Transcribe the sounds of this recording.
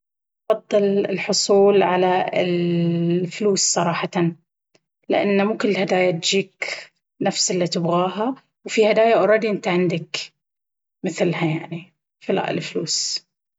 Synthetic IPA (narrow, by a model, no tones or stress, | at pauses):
fɑd̪ˤːɨlɪlħʊsˤuːlʕalaɪ̰l | fluːssˤɑɾˤɑːħɑt̪an | lɪʔa̰nːmuːkʊlːhad̪aːjat̪d͡ʒiːk | nafsɪlːit̪ɪbɣaːɦa | wfihad̪aːjaʔɑɾˤɑːd̪iʔɪnt̪aʕɪnd̪ak | mɪθlhajaʕni | fila̰ʔɪ̰lfluːs